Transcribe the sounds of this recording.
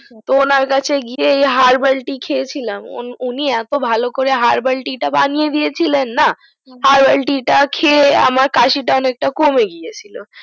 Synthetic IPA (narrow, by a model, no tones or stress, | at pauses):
t̪oonaɾkat͡ʃʰeɡieɦaɾbəlʈikʰet͡ʃʰilamo̰nuniɛt̪obʱalokɔɾeɦaɾbəlʈiʈabanijed̪iet͡ʃʰilenːa | haɾbəlʈiʈakʰea̰maɾkaʃiʈanek̚ʈakomeɡijet͡ʃʰilo